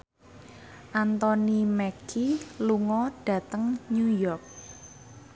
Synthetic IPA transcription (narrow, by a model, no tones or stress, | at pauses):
ʔant̪ɔnimɛkiluŋɔɖ̥ä̤t̪əŋɲujɔrk̚